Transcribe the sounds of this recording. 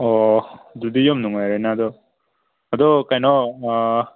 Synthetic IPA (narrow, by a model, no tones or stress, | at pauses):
ɔd̪ud̪ijɔmnuŋajɾajnad̪ɔ | ad̪ɔkajnɔ